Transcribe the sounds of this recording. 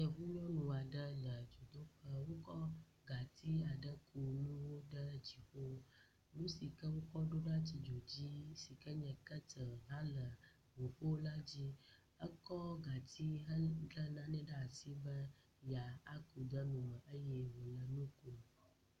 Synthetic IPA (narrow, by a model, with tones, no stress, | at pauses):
ɲɛ̃˨vu˦ɲ˦ɔ̃˦nũ˨a˨ɖə˦lə˨d͡ʒo˨d̪o˦ɸə˦wo˦kɔ˦ | ɡa˨t̪ʰi˦a˨ɖə˦ku˨nũ˦wo˦ɖə˦d͡ʑi˨ɸo˦ | nũ˦si˨kə˦wo˦kɔ˦ɖo˦ɖa˦t͡ɕi˨d͡ʒo˨d͡ʑi˦si˨kə˦ɲɛ̃˨kə˦t̪ə˨ɦã˦lə˨ | wu˨ɸo˦la˦d͡ʑi˦ | ə˦kɔ˦ɡa˨t̪i˦ɦə˦ɖə˦nã˦nɛ̃˦ɖə˦a˨si˦bə˦ | ja˨a˦ku˨d̪ə˦nũ˨mə̃˨ʔə˦jɛ˦wo˨lə˨nũ˦ku˨